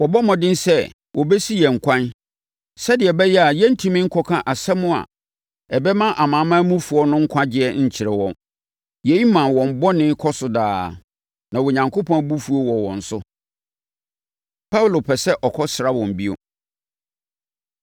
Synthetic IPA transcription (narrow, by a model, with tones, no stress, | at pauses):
wɔ˨bɔ˦mɔ̃˨dɪ̃˦n˦sɛ˦˨ | wʔɔ˨bɛ˦si˦jɛ˨ŋ̩˨kʰʷã˦n | sɛ˦dɪ˨ɛ˨bɛ˦jɛ˦a˨jɛ˦n̩˦tʰĩ˦mɪ̃˦ŋ̩˦kʰɔ˦kʰã˦ʔa˨sɛ˦mʊ̃˦a̰˨ | ɛ˨bɛ˦mã˦ʔa˨mãː˨˦mã˦mũ˦fu˨ɔ˦nʊ̃˦ŋ̩˦kʷʰã˦d͡ʑɪ˦ɛ˦ɲ̩˨t͡ɕʰɪ˨ɾɛ˨wɔ̃˨ | jɛ˨˦i˦mã˨wɔ̃˨m̩˨bɔ˦nɪ̃˦kʰɔ˦sʊ˦daː˨˦ | nã˨wɔ˨ɲã˨ŋkʰo˦pʰɔ̃˦bu˦fu˦o˦wɔ˨wɔ̃˨n̩˨sʊ˦ | pʰa˦wlo˨pʰɛ˨sɛ˦ʔɔ˨kʰɔ˦sɾa˦wɔ̃˨m̩˨bi˦o̰˨